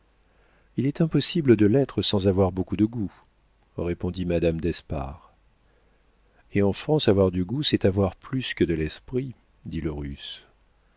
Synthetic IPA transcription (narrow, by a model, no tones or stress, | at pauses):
ilɛt̪ɛ̃pɔsibləd̪əlɛt̪χəsɑ̃zavwaʁbokud̪əɡu | ʁepɔ̃d̪imad̪amd̪ɛspa̰ʁ | eɑ̃fχɑ̃savwaʁd̪yɡusɛt̪avwaʁplyskəd̪əlɛspχi | d̪iləʁys